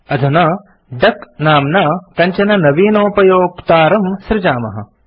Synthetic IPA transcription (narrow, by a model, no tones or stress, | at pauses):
ɐd̪ʱunɐ | ɖ̪ɐknaːmnaːkɐɲt͡ʃɐnɐnɐʋiːnoːpɐjoːkt̪aːɾɐmsɾɪd͡ʒaːmɐ̰ɦɐ̰̆